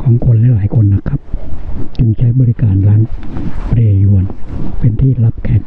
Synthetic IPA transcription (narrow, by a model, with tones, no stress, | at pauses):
kʰɔː˩˦ŋkʰo˧nlɛː˦˥laː˨˩˦jkʰo˧nːa˦˥kʰa˦˥p̚t͡ɕɯ˧˩ŋt͡ɕʰa˦˥jbɔː˧ɾi˦˥kaː˨˩nlaː˦˥ŋpɾeː˧ju˧˩ənpe˨˧nt̪ʰiː˥˩la˦˥p̚kʰɛː˨˩